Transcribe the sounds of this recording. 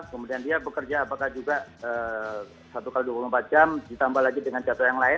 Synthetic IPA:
kəmudiandiabəkərd͡ʒaːpakahd͡ʒuɡaəː | sat̪ukaliduapulumpat̪̚d͡ʒamdit̪ambahlaɡidəŋant͡ʃat̪ɔjaŋlaɪ

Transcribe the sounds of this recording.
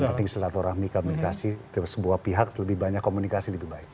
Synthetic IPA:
pənt̪ɪŋsət̪at̪oɾahmikomunikasi | səbuahpiɦak̚ləbihbaɲakːomunikasiləbihbaɪk̚

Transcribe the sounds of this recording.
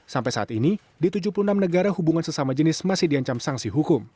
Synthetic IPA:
sampajsaat̪ini | dit̪ud͡ʒupulunamnəɡaɾahubuŋansəsamad͡ʒənɪsmasɪhdiaɲt͡ʃamsaŋsiɦukʊm

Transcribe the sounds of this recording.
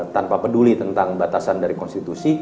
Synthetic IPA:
t̪anpapədulit̪ənt̪aŋbat̪asandaɾikɔnst̪it̪usi

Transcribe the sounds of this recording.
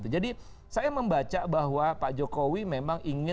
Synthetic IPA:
t̪ud͡ʒadi | sajaməmbat͡ʃabaɦwapaʔd͡ʒokowimemaŋʔiŋɪ

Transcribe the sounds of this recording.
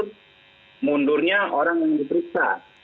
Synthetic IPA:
t̚ | mundʊrɲaoɾaŋjaŋd̪ipəɾiksa̰

